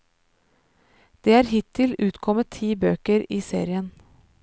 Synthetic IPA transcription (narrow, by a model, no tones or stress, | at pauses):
d̪̥eːæːɾhɪt̪ʰɪlʉːt̪kʰɔmət̪ʰiːbøːkəɾiːsḛːɾɪən